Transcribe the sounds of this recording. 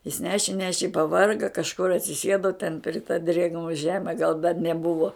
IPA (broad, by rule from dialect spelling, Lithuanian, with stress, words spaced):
jɪs ˈnʲæːʃʲɪ ˈnʲæːʃʲɪ ɪ pɐˈʋɐrɡɐ kɐʃˈkʊr ɐtʲsʲɪˈsʲeːdoː tʲɛn pʲrʲɪ tɐ dʲrʲeːɡˈnoː ˈʒʲæːmʲɛ ɡɐlˠ dɐr nʲɛˈbʊʋoː